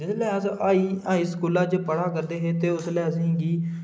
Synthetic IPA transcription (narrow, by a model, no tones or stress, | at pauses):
d͡ʒɪslɛɦaːzaːiːaːiskuːlaːt͡ʃpəɽaːkəɾd̪eːɦeːt̪eːʊslaːzɦɛ̃ːɡiː